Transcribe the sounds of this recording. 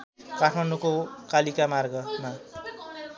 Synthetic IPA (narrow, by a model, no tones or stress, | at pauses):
kaʈʰmanukokalikamarɡʌma